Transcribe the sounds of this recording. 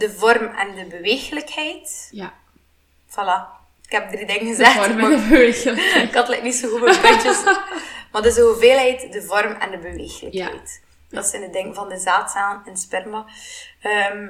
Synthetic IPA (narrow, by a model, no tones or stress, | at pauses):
dəvɔrmɛ̰ndəbəʋeːxələkhɛjt | fɑla | ɪkhɛp̚dridɪŋənɣəzɛx | kɑtlɛ̰jk̚tnitsoɣubəpːt͡ʃəsmadəsovəveːlˠɦɛjtdəvɔrmɛ̰ndəbəʋḛːxələkhɛ̰jt | d̥ɑsɪnədɪŋkvɑndəzaːtsaːnɪnspɛrmaəːm